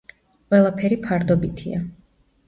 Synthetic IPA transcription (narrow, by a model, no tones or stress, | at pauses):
qʼwɛlˠapʰɛɾipʰaɾd̪ɔbit̪ʰḭa